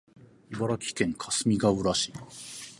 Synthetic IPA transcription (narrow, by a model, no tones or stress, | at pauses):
ibaɾakʲi̥kẽ̞ŋkʰḁsɨmʲiɡaɯ̟ɾaɕi̥